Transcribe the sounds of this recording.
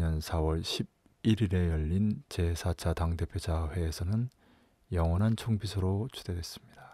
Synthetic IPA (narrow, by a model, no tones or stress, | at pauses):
ɲʌnsʰawʌɭɕʰib̚ | iɾiɾe̞jʌʎːint͡ɕe̞sʰat͡ɕʰataŋde̞pʰjod͡ʑaɸwe̞ːsʰʌnɯn | jʌŋwʌnɦant͡ɕʰoŋbisʰʌɾot͡ɕʰud̥e̞de̞s͈ɯmɲida